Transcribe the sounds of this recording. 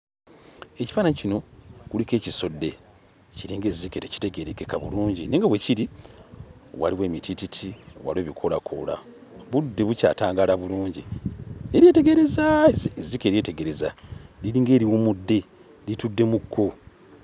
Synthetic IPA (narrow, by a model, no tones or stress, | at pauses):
eci̥faːnaɲicino̞kulike̞ːciso̞dːe̞ | ciɾiːŋɡe̞ziketeci̥te̞ɡe̞ɾekekaβṵluːɲɟineŋɡaβwe̞ciɾi | wa̰liwe̞ːmitʰititʰḭwa̰lweːβikʰo̞lakʰo̰la̰ | βudːe̞βuca̰ːtaːŋɡalaβuluːɲɟḭneɾjete̞ɡe̞ɾe̞zaezikeɾiete̞ɡe̞ɾezaliɾiːŋɡe̞ːɾiwumudːe̞ | litudːe̞mukʰːo̞